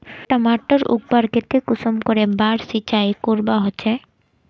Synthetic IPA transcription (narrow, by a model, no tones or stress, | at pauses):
ʈamaʈːɔɾṵɡ̚baɾket̪ekusomkoɾebaɽsit͡ɕajkuɾbaɦoːɕʰe